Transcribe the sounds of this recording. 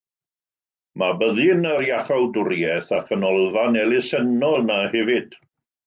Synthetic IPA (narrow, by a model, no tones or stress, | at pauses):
mabəðɪnəɾjaχawdʊrjɛθakʰənɔlˠvanɛlɪsɛnɔlnahɛvɨd̥